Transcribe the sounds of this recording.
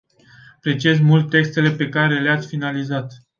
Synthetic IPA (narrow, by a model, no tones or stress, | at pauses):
apɾe̞t͡ʃie̞zmult̪ːe̞kst̪e̞le̞pe̞kaɾe̞leat̪sʲfinalizat̪